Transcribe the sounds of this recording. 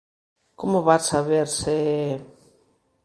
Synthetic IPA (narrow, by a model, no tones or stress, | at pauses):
komoβasaβeɾse